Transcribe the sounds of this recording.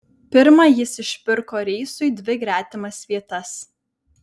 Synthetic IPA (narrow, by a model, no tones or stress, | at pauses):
pʲɪɾmɐjɪsɪʃʲpʲɪɾkoːɾʲɛːsʊɪd̪ʲʋʲɪɡɾʲæːt̪ʲɪmɐsʋʲiɛt̪ɐs